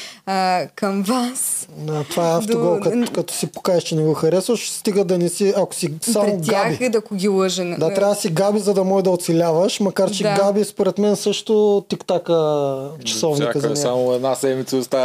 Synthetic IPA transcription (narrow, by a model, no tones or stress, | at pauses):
kɐmvasat̪ovaɛɐft̪oɡɔlˠkɐkɐt̪ɔ̥sipo̥kaɛʃt͡ʃɛnɛɡɔxɐɾɛsvəʃst̪iɡəd̪ɐnɛsiɐko̥sisamoɡabid̪ɐkʊɡʲilˠəʒənd̪at̪ɾʲavd̪əsiɡabizɐd̪ɐmɔʒɛd̪ɐot̪sɛlʲavəʃmɐkaɾt͡ʃɛɡabispoɾɛt̪mɛnsɤʃt̪ot̪ikt̪akət͡ʃɐ̥sɔvnikɐzɐmɛamʊɛd̪nasɛmit̪səʊst̪a